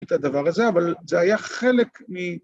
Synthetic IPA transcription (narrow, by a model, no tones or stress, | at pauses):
t̪ad̪avaʁazeavalzeajaχelekmi